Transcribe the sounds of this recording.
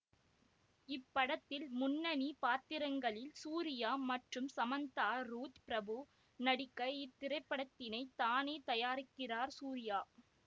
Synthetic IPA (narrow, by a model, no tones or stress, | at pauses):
ɪpːɐɽɐt̪ːɪlmʊnːɐnipaːt̪ːɪɾɐŋɡɐɭɪlsuːɾɪjaːmɐʈrɯmsɐmɐnt̪aːɾuːt̪pɪɾɐbɯ | nɐɽɪkːɐɪt̪ːɪɾɐɪpːɐɽɐt̪ːɪnɐɪt̪aːneːt̪ɐjaːɾɪkːɪraːɾsuːɾɪjaː